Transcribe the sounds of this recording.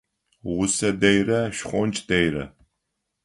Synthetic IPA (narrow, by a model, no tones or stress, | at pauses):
ʁwʷʊsɐdejrɐʃχʷɔnt͡ʃʼd̥ɐjrɐ̰